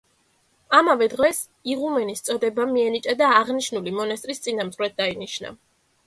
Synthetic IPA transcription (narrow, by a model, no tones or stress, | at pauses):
amavɛd̪ʁwɛs | iʁumɛnist̪sʼɔd̪ɛbamiɛnit͡ʃʼad̪aːʁniʃnulimɔnast̪ʼɾist̪sʼinamt̪χɾɛt̪̚d̪ainiʃna̰